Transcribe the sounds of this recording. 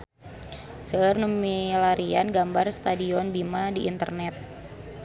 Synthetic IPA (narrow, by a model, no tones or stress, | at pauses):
səərnumilaɾianɡambarst̪adiɔnbimadiʔːnt̪ə̰rnɛt̪̚